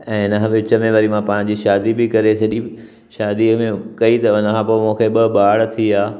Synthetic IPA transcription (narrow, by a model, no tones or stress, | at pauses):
ɛ̃ːɪnəɦʋɪt͡ɕəmẽʋɐɾimãpãːɪ̃ɲ̆d͡ʑiʃaːd̪ibɪkɐɾesɐʄi | ʃaːd̪imẽkɐit̪ɐʊnəkʰãːpoːmũːkʰeɓɐɓaːɽt̪ʰiaː